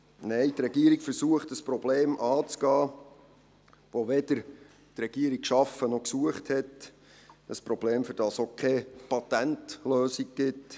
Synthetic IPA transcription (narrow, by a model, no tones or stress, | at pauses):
nɛɪtrɛɡiəɾikfəɾsuəχtəspɾɔbleːmʔɑːt͡sɡ̥ɑː | ʋoʋɛd̥̪əɾ | t̪rɛɡ̥iəɾik̚kʃɑfənɔksuəχthɛt | əspɾɔb̥leːmfyɾd̥ɑsokʰɛpɑt̪æntløːsik̚ɡ̥ɪt